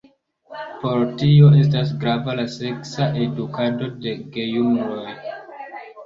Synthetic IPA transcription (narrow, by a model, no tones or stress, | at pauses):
po̞ɾtio̞e̞s̬tas̬ɡɾavalase̞ksaʔe̞dukado̞de̞ɡe̞jumɾoj